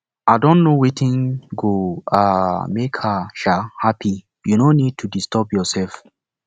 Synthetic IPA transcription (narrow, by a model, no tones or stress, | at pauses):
adɔ̃nnowetʰĩnɡoamekhəʃahapʰi | junonid̚tʰudistɔpjɔsɛlf